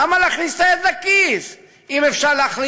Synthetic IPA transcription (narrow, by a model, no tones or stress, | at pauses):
amalaːχlist̪aetd̪akis | imefʃaʁleaχli